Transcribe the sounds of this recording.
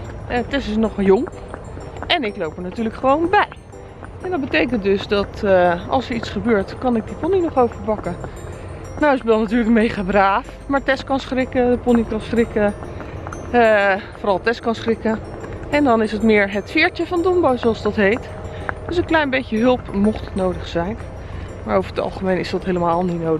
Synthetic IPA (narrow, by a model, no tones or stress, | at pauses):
ɛtɛsɪsnɔχjoŋ | ʔɛnɪklowpəɹnatyːɹləkχəʋownbɛj | ɛndɑt̚bətejkəntdɵsdɑtɑ̰lˠsəɹitsχəbøːɹtkɑnɪɡ̚diponinɔχowvəɹpɑkə | nawɪsbɛlˠnatyːɹləkmejχaːbraːf | maːɹtɛskɑnsχrɪkədəpɔnikɑnsχrɪkə | foʊːɾɑlˠtɛskɑnsχrɪkə | ɛndɑnɪsətmɪːɹɦətfɪːɹtəvɑndɔmbowsoɑlˠsdɑtɦejt | d̥øsənklɛjnbejtəɦɵlˠpmɔχtətnowdəχsɛjn | maːɹowvəɹətɑ̰lˠχəmejnɪsdɑtɦejləmaːlˠnitnow